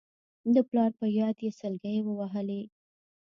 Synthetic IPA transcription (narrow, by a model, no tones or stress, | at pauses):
d̪əplɑɾpəjɑd̪jesəlɡajwəwaɦəli